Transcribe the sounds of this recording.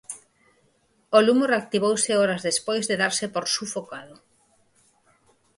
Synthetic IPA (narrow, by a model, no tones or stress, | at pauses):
olumoreak̚t̪iβowsɪɔɾazðespojzðeðaɾsɪpoɾsufokaðo